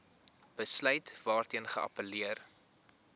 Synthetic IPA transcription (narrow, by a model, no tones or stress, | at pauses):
b̥əslœɥtvɑːrtiənχəɐ̰pəliər